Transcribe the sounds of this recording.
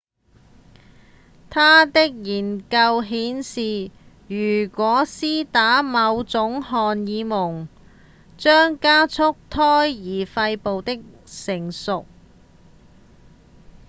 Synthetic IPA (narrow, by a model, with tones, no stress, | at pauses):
t̪ʰaː˥t̪ɪ˥k̚jiː˨˩nkɐ˧wɦiː˨˥nsiː˨ | jyː˨˩kʷɔː˨˥siː˥t̪aː˨˥mɐ˨˧wt͡sʊ˨˥ŋɦɔː˨njiː˨˧mʊ˨˩ŋ | t͡ʃœː˥ŋkaː˥t͡sʰʊ˥k̚t̪ʰɔː˥jːiː˨˩fɐ˧jpo˨wt̪ɪ˥k̚sɪ˨˩ŋsʊ˨k̚